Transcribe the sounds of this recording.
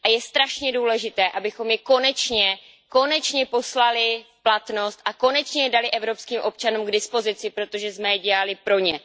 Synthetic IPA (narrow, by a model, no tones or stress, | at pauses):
ʔajɛst̪ɾaʃɲɛduːlɛʒɪt̪ɛːʔabɪxo̞mjɛko̞nɛt͡ʃɲɛ | ko̞nɛt͡ʃɲɛpo̞slalɪ | plat̪no̞st̪ʔako̞nɛt͡ʃɲɛjɛdalɪʔɛvɾo̞pskiːmʔo̞p̚t͡ʃanuːmɡdɪspo̞zɪt͡sɪpɾo̞t̪o̞ʒɛzmɛɟɛlalɪpɾo̞ɲɛ